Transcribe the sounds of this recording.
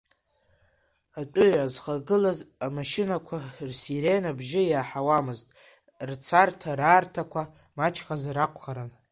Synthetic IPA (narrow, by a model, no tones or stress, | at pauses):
atʷʼʊɥʕazχaɡɨlazamaʃɪnakʷʰarsiɾe̞jnabʒɪjaːħawamɨztʼ | rt͡sʰartʰaɾaːrtʰakʷʰa | mat͡ʃʰχazaɾaqʷʰʼχaɾan